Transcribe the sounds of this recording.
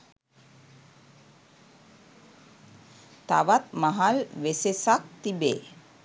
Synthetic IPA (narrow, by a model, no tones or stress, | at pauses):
t̪a̰ʋat̪maɦalʋesesak̚t̪ibeː